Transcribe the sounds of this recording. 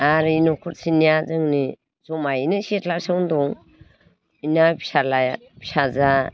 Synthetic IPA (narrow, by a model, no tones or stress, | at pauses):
aɾinɔkʰɔɾsinijazɯŋni | zɔmajnɯsetlaɾsɯwndɔŋ | inabisala | bi̥saza